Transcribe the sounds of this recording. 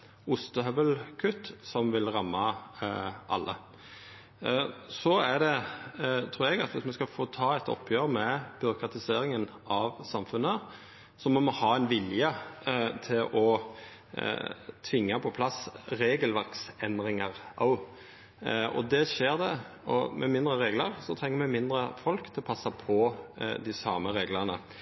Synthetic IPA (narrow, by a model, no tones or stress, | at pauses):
ʊst̪əɦœʋəlkʰʉt̪ːsɔmʋɪlʁɑmːɑ | ʔɑ̰lːʔə̰ | sɔæd̪ɛ | t̪ʰɾuːɾɛɡɑt̪ʋɪsmɛskɑfoːt̪ʰɑːɛt̪ɔ̰pʰːjøːɾəmɛb̥ʏɾʊkʰʁɑt̪ɪseːɾɪŋən | ɑʋsɑmfʉnːə | sɔmɔmɔhɑːɛnʋɪljət̪ʰɪlɔ | t̪ʰʋɪŋːəpʰɔpʰlɑsɾeːɡəlʋæɾksɛnd̪ɾɪŋɑɾʔɑ̰ʊ | ɔ̰d̪ɛʃeːɾd̪ɛ | ɔ̰mʔɛmɪnd̪ɾəɾeːɡləɾsɔt̪ʰɾɛŋːəɾmɛmɪnd̪ɾəfɔlkt̪ʰɪlɔpʰɑsːɑpʰɔd̪ɪsɑːməɾeːɡləʁnə